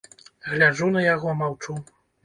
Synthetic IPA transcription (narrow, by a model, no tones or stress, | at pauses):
ɣlʲad͡ʐunɐjaɣɔmawt͡ʂu